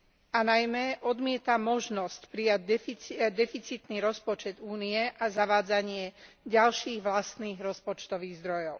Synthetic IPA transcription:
anajmɛʔɔd̪mɪɛt̪amɔʒnɔscpɾijaɟ̚d̪ɛaɟd̪ɛfit͡sit̪niːɾɔspɔt͡ʃɛd̪uːnijɛʔazaʋaːd͡zaɲɪɛ | ɟalʃiːɣʋlast̪niːɣɾɔspɔt͡ʃt̪ɔʋiːɣzd̪ɾɔjɔʊ

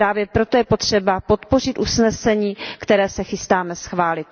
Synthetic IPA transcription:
ɾaːvjɛpɾo̞t̪ojɛpo̞t̪r̥ɛbapo̞t̪po̞r̝ɪt̪ʔusnɛsɛɲiːkt̪ɛɾɛːsɛxɪst̪aːmɛsxvaːlɪt̪̚

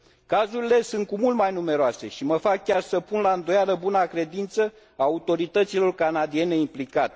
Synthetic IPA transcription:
kazuɾile̞sunt̪̚kumult̪majnume̞ɾoase̞ʃiməfakːʲarsəpunlaɨnd̪o̞jaləbunakɾe̞d̪int̪sə | aut̪o̞ɾit̪ət̪silo̞rkanad̪ie̞ne̞implikat̪e

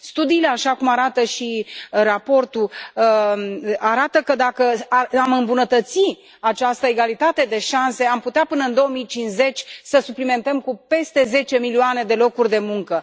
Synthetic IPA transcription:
st̪ud̪iːle̞aʃakumaɾat̪əʃirapo̞rt̪u | aɾat̪əkəd̪akəaamɨmbunət̪ət̪si | at͡ʃast̪əe̞ɡalit̪at̪e̞d̪e̞ʃanse̞amput̪eapɨnəɨnd̪o̞omijt͡ʃinsze̞t͡ʃʲsəsuplime̞nt̪əmkupe̞st̪e̞ze̞t͡ʃe̞milioane̞d̪e̞lo̞kurʲd̪e̞muŋkə

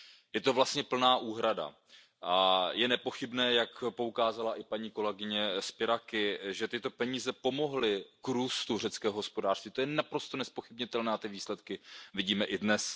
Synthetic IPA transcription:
jɛt̪o̞vlast̪ɲɛpl̩naːʔuːɦɾada̰ | ʔajɛnɛpo̞xɪbnɛːjakpo̞ukaːzalaʔɪpaɲiːko̞lɛɡɪɲɛspɪɾakɪʒɛt̪ɪt̪o̞pɛɲiːzɛpo̞mo̞ɦlɪkɾuːst̪ur̝ɛt͡skɛːɦoɦo̞spo̞daːr̥st̪viːt̪ojɛnapɾo̞st̪onɛspo̞xɪbɲɪt̪ɛlnɛːat̪ɪviːslɛt̪kɪvɪɟiːmɛʔɪdnɛs

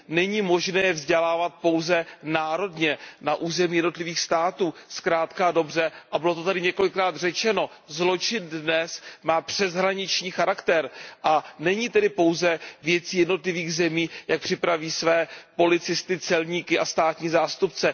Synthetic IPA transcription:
nɛɲiːmo̞ʒnɛːjɛvzɟɛlaːvat̪̚po̞wzɛnaːɾo̞dɲɛnaʔuːzɛmiːjɛdno̞t̪lɪviːxst̪aːt̪uːskɾaːt̪kado̞br̝ɛʔabɪlo̞t̪o̞t̪adɪɲɛko̞lɪkːɾaːd̪rɛt͡ʃɛno̞ | zlo̞t͡ʃɪndnɛsmaːpr̥ɛzɦɾaɲɪt͡ʃɲiːxaɾakt̪ɛɾʔanɛɲiːt̪ɛdɪpo̞wzɛvjɛt͡siːjɛdno̞t̪lɪviːɣzɛmiːjak̚pr̝̥ɪpɾaviːsvɛːpo̞lɪt͡sɪst̪ɪt͡sɛlɲiːkɪʔast̪aːt̪ɲiːzaːst̪up̚t͡sɛ

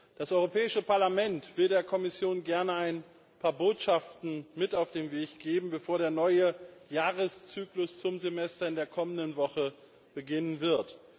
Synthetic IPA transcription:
d̥asʔɔʏʁopɛːɪʃəpaɐlamɛntv̥ɪldeːɐkʰɔmɪsjoːnɡɛɐnəaɪn | pʰaːɐboːtʃaftn̩mɪtaʊfd̥eːmveːçɡ̥eːbm̩bəfoːɐɾeːɐnɔʏəjaːʁəst͡syːklʊst͡sʊmzemɛstɐɪndeːɐkʰɔməndənvɔχə | b̥əɡɪnənvɪɐt

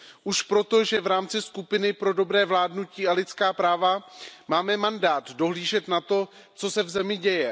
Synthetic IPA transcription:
ʔuʃpɾo̞t̪o̞ʒɛvɾaːmt͡sɪskupɪnɪpɾo̞do̞bɾɛːvlaːdnuciːalɪt̪t͡skaːpɾaːvamaːmɛmandaːt̪do̞ɦliːʒɛt̪nat̪o̞ | t͡so̞sɛvzɛmɪɟɛjɛ

